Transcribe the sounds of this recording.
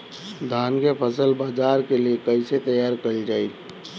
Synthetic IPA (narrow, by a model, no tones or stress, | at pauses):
d̪ʱaːnkepʰəsəlbaːd͡ʒaːɾkeliekəɪset̪əjaːɾkəɾid͡ʒaːi